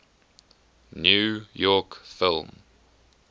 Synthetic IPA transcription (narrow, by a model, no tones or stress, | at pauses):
njuːjɔˑkfɪlˠm